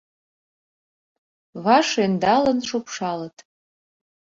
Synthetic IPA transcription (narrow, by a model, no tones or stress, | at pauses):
vaʂajndalanʂopʰʂalatʼ